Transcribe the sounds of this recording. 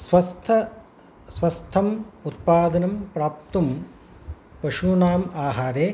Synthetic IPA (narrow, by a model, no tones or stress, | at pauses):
sʋɐst̪ʰɐ | sʋɐst̪ʰːɐmut̪̚paːd̪ɐnɐmpɾaːp̚t̪um | pɐʃunaːmaːɦaːɾeː